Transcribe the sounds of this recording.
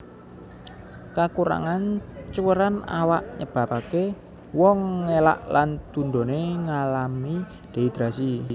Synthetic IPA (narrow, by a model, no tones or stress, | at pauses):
kakuɾa̰ŋant͡ʃuwəɾana̰waʔɲəb̥ä̤pake | wɔŋːela̰ʔlant̪unɖ̪o̤neŋalami | d̪̥e̤id̪̥ɾasi